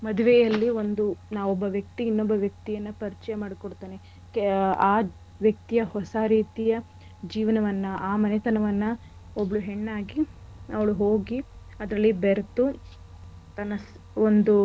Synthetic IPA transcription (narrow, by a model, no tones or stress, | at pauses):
mɐd̪uʋɛjɐlːiond̪unaːʋɔbːɐʋjɐk̚t̪iːnːɔbːɐʋjɐk̚t̪ijɐnːɐpɐɾit͡ʃɛjɐmaːɽikoɽt̪aːne | aː | ʋjɐk̚t̪ijɐhɔsaɾiːt̪ijɐ | d͡ʒiːʋɐnɐʋɐnːɐʔaːmɐnɛt̪ɐnɐʋɐnːɐ | obːɐɭuɦeɳːaːɡiɐʋɐɭuɦoːɡi | ɐd̪ɾɐlːibeɾt̪u | t̪ɐnɐs | ond̪u